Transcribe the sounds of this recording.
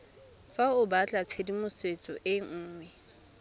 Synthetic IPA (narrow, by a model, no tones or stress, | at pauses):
faʊbat͡ɬʼat͡sʰedimʊswet͡sʼɔʔɪŋ̩ːŋwɛ